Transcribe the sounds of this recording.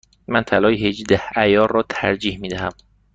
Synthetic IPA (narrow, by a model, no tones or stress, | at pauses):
mænt̪ʰælɒːjehed͡ʒd̪æhæjɒːɾːɒːt̪ʰæ̰ɾd͡ʒiːhmiːd̪æɦæm